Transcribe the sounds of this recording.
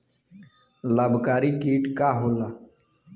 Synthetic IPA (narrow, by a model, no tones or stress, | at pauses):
laːbkaːɾiːkiːʈkaːɦoːlaː